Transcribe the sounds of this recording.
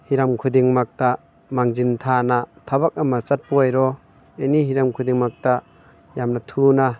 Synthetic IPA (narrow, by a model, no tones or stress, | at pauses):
hiɾamkʰudiŋmak̚ta | maŋzintʰanatʰabak̚amasat̚pɔjɾɔ | enihiɾamkʰudiŋmak̚ta | jamnatʰuna